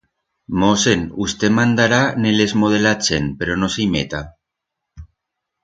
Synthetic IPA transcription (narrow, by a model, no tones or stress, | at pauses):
mosenust̪emãnd̪aɾanelezmoð̞elat͡ʃenpeɾonoseimḛt̪a